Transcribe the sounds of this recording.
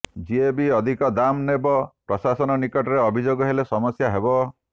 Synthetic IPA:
d͡ʒiebiɔd̪ʱikɔd̪amnebɔpɾɔsasɔnɔnikɔʈɔɾeɔbʱid͡ʒoɡɔɦelesɔmɔsjaɦebɔ

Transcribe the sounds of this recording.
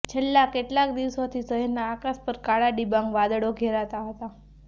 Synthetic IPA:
t͡ʃʰelːakeʈlak̚d̪iʋsot̪ʰisəɦɛɾnaːkaspəɾkaɭaɖibãŋɡʋad̪əɽoɡʱeɾat̪aɦət̪a

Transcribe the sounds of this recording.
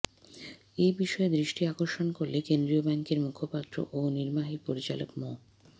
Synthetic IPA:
ejbiʃɔed̪ɾiʃʈiakoɾʃonkoɾlekend̪ɾiobɛŋkeɾmukʰopat̪ːɾo̰ʔoniɾmaɦipoɾit͡ɕalo̰kmɔ

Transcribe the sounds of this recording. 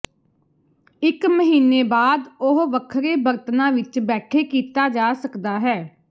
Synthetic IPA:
ɪkməɦiːneːbaːd̪ʊɦʋəkʰɾeːbəɾt̪nãːʋɪt͡ʃbɛːʈʰeːkiːt̪aːd͡ʒaːsəkd̪aːɦɛː

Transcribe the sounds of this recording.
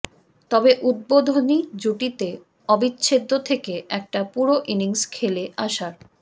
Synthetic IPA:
t̪ɔbeʔud̪̚bod̪ʱonid͡ʑuʈit̪e | ɔbitːɕʰed̪ʱːot̪ʰekeʔɛk̚ʈapuɾoʔiniŋskʰeleʔaʃaɾ

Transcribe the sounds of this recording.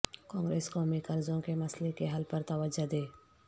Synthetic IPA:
kãːŋɡɾeːskɔːmikɐɾzõkemɐslekeɦɐlpɐɾt̪ɐʋəd͡ʒad̪eː

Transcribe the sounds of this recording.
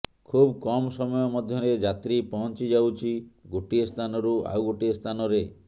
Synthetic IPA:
kʰubkɔmɔsɔmɔjɔmɔd̪ʱjɔɾed͡ʒat̪ɾipɔɦɔnt͡ʃid͡ʒawt͡ʃʰiɡoʈiest̪ʰanɔɾua̰wɡoʈiest̪ʰanɔɾe

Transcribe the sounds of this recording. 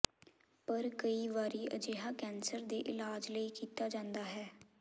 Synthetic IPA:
pəɾkəiːʋaːɾiːʔə̰d͡ʒeːɦaːkɛːnsəɾd̪eːʔɪlaːd͡ʒləiːkiːt̪aːd͡ʒãːnd̪aːɦɛː

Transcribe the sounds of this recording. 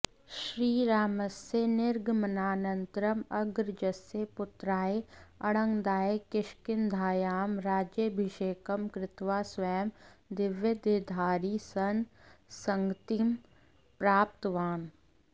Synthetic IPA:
ʃɾiːɾaːməsenɪɾɡmɐnaːnənt̪ɾəmɐɡɾd͡ʒəsepʊt̪ɾaːeɐɽə̃ŋɡd̪aːekɪʃkɪnd̪ʱaːjaːmɾaːd͡ʒjəbʱiʃeːkəmkɾɪt̪ʋaːsʋɐjəmd̪ɪʋjəd̪eːd̪ʱaːɾisɐnsɐŋɡt̪im | pɾaːp̚t̪əʋaːn

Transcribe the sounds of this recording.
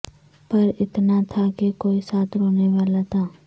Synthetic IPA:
pɐɾɪt̪nat̪ʰakekoːisaːt̪ʰɾoːneʋaːlat̪ʰaː

